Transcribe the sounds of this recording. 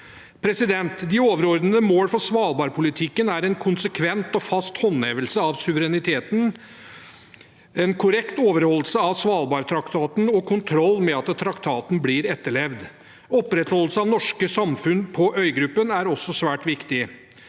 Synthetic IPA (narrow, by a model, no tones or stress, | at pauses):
pʰɾɛsɪd̪ɛnt̪d̪ɪoːʋəɾɔɾd̪nəəmoːlfɔsʋɑːlˠbɑːɾpʰʊlɪt̪ʰɪkːənæɾɛnkʰʊnsəkʰʋɛnt̪ɔfɑst̪hɔnɛːʋəlsəɑʋsʉʋəɾɛnɪt̪ʰeːt̪n | ɛnkʰʊɾɛkt̪oːʋəɾhɔlːəlsəɑʋsʋɑːlbɑːɾt̪ʰɾɑkt̪ʰɑːt̪n̩ɔkʰʊnt̪ʰɾɔlːmɛɑt̪t̪ʰːɾɑkt̪ʰɑːt̪n̩bliɾɛt̪ːəɭɛʋd̪ | ɔpːɾɛt̪hɔlːəsəɑʋnɔʂkəsɑmfʉnpʰɔʔœʏɡɾʉpːənæɾɔsːɔsʋæːʈʋɪkt̪ɪ